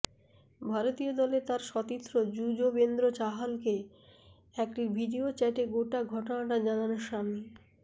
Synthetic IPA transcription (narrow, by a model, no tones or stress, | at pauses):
bʱaɾot̪iod̪ɔlet̪aɾʃɔt̪it̪ːɾod͡ʑud͡ʑobend̪ɾot͡ɕaɦalke | ɛkʈibʱiɖiot͡ɕɛʈeɡoʈaɡʱɔʈonaʈad͡ʑananoɾʃamne